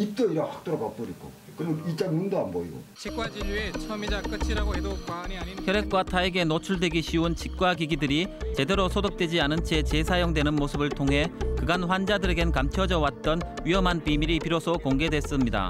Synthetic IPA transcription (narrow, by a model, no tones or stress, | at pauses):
ip̚t͈ʌiɾahak̚t͈oɾokap͈ʌɾik͈ʰo̰ | kɯnɯit͡ɕ͈anmundaanbʌiɡo̰t͡ɕʰik͈wad͡ʑiʎːuet͡ɕʰʌmid͡ʑak͈ɯt͡ɕʰiɾaɡoɦedokwaɲiçʰjʌɾe̞k̚k͈watʰaiɡe̞not͡ɕʰuɭde̞ɡiɕʰiɯnt͡ɕʰik̚k͈waɡiɡidɯɾit͡ɕe̞de̞ɾosʰodok̚t͈we̞d͡ʑianɯnt͡ɕʰe̞t͡ɕesʰajoŋdwe̞nɯnmosʰɯbɯɭtʰoŋɦe̞kɯɡanɸwand͡ʑadɯɾeɡenkamt͡ɕʰʌd͡ʑʌwat̚t͈ʌnɥiɦʌmɦanpimiɾipiɾosʰʌkoŋɡe̞dwe̞s͈ɯmɲida̰